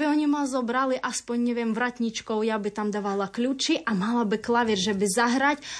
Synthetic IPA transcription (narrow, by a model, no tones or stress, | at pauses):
bɪɔɲʲimazɔbɾalˠɪʔaspɔnʲːɛʋʲjɛmʋɾat̪ʲnʲit͡ʃkɔwjabɪt̪amd̪aʋalˠaklʲut͡ʃiʔamalˠabɪklˠaʋʲirʒɛbɪzaɦɾatʲ